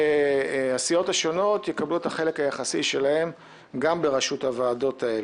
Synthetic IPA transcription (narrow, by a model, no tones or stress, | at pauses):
easijo̞thaʃo̞no̞tjekabluetaχe̞le̞khajaχasiʃe̞lahe̞m | ɡambe̞ʁaʃuthavaːdo̞tʰae̞l